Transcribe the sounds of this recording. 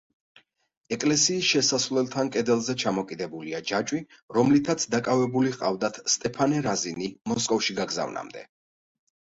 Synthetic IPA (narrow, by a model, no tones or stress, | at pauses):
ɛkʼlɛsiːsʃɛsasvlɛlˠt̪ʰankʼɛd̪ɛlˠzɛt͡ʃʰamɔkʼid̪ɛbuliad͡ʒat͡ʃʼwiɾɔmlit̪ʰat̪sʰd̪akʼavɛbuliqʼa̰vd̪at̪ʰst̪ʼɛpʰanɛɾazinimɔskʼɔfʃiɡaɡza̰vna̰md̪ɛ̰